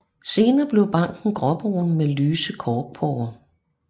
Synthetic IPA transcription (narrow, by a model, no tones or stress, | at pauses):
se̝ːnɐːb̥le̝ʊb̥ɑ̈ŋ̰ɡ̥n̩ɡ̥ʁɒ̽b̥ʁo̰n̩melyːsəkʰɒːɡ̥̚pʰɒʊɐ